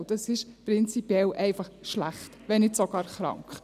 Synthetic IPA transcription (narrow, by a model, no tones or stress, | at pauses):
d̥ɑsɪʃpɾɪnt͡sipjɛlʔɛɪfɑχʃlæχtʋɛnɪtsɔɡ̥ɑːɾχɾɑ̰ŋkχ